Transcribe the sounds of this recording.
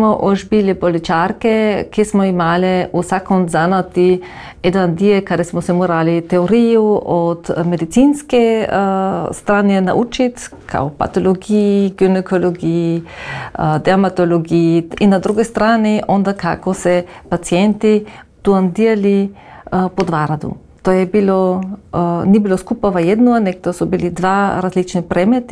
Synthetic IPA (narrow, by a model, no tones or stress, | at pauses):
smɔʔoʒbilipolit͡ʃaɾkɛkismɔimaːlɛusakːonzanat̪i | ɛd̪and̪iɛkad̪ɛsmɔsɛmoɾalit̪ɛoɾijuot̪med̪it̪sinskɛ | st̪ɾaːnjɛna̰ʔuːt͡ʃit̪ | kʰa̰wpa̰t̪oloɡijɡynɛkʰoloɡiji | d̪ɛamat̪oloɡiiinad̪ɾuɡest̪ɾaniʔond̪aka̰kosɛpat̪siɛnt̪i | t̪uand̪iali | pod̪vaɾad̪ṵ | t̪ojɛbilɔ | nibiloskupavajɛd̪noanɛk̚t̪osɔbilid̪vaɾazlit͡ʃnipɾɛmɛt̪i